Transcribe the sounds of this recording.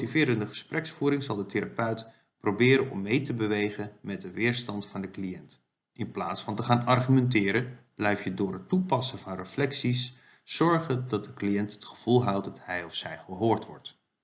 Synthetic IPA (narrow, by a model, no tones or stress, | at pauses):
tivɪːɾəndəχə̥sprɛksfuːɾɪŋzɑlˠdəteɾapœɥt | probɪːɾənɔ̰mːejtəbəʋejχənmɛt̚dəʋɪːɹstɑntfɑndəklijɛnt | ɪnpla̰ːtsfɑntəχaːnɑrχymɛntɪːɾənb̥lɛjfjədʊːrɦətupɑsəvɑnrəflɛksisː | ɔɹχədɑt̚dəklijɛntə̥tχə̥v̥ulˠɦɑwtdɑthɛjɔfsɛjχəɦoːɹtʋɔ̰ɹt